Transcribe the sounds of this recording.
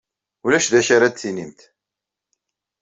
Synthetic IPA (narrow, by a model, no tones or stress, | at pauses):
ʊlæʃðæçaɾaθinimt̪